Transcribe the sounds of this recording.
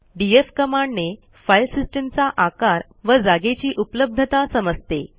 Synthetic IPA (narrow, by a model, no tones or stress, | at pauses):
ɖiefkəmaɳne | fajlsisʈemt͡saʔakaɾ | ʋəd͡zaɡet͡ɕiːʔupləb̚d̪ʱət̪asəməd͡zt̪e